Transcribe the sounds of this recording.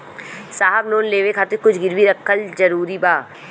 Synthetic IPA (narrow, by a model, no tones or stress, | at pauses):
saːɦəbloːnleːʋekʰaːt̪ɪkʊt͡ʃʰɡɪɾʋiɾəkʰːəld͡ʒɐɾuːɾibaː